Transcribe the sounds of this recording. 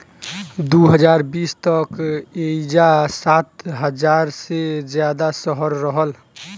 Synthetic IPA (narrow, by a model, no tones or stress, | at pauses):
d̪uɦəd͡ʒaːɾbiːst̪əked͡ʒasaːt̪ɦəd͡ʒaːɾsed͡ʒjad̪asəɦəɾɾəɦəl